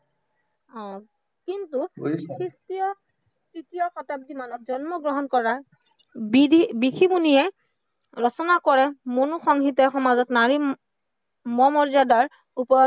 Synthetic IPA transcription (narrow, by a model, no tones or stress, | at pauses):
ɔ̃ | kintukʰɹistijɔ | stitijɔxɔtab̚dimanɔk̚zɔnmɔɡɹɔɦɔnkɔɹa | bidʱibikʰibunijɛ | ɹɔsɔnakɔɹɛmonuxɔŋɦitɛxɔmazɔtnaɹi | mɔmɔɹzadaɹ | upɔ